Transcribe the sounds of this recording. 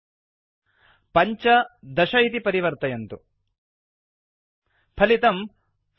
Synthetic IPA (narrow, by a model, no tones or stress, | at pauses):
pɐɲt͡ʃɐd̪ɐʃɐɦit̪ipɐɾiʋɐɾt̪ɐjɐnt̪u | pʰɐlit̪ɐm